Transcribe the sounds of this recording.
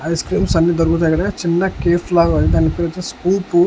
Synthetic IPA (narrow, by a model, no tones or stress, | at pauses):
ɐjskɾiːmsɐnːid̪ɐɾukut̪̬ːkɐɽɐt͡ʃinːɐkeːfʰlaːɡɐid̪aːnːipiːɾɐt͡ʃːɐskuːpu